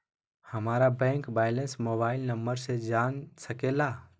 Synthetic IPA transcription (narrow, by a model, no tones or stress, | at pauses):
həmaːɾabɛ̃ːŋkbaːɪlə̃nsmoːbaːɪlnəmbəɾsed͡ʒaːnsəkeːlaː